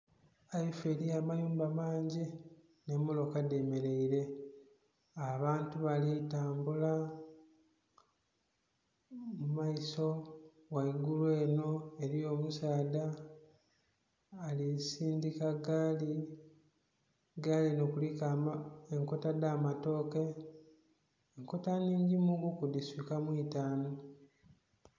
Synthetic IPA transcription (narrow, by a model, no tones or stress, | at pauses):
aife̞ɾijaːmajuːmbamaːɲɟi | ne̞mulo̞kade̞me̞ɾe̞iɾe̞ | aβaːntuβalitaːmbula | mumaiso̞ | waiɡulwe̞ːno̞e̞ɾio̞ːmusaːda | lisiːndikaɡaːli | ɡalinokulikeŋko̞tadaːmato̞ːke̞ | ŋko̞taniːɲɟimuɡukud̪iswikamwitaːno̞